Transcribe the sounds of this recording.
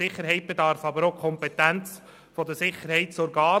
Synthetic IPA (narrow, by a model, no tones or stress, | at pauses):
ɪχːəɾɦɛɪt̚b̥ed̪ɑɾfɑbəɾoʊkʰɔmpɛt̪ænt͡s | fɔd̪əsɪχəɾhɛɪtt͡sɔɾɡɑː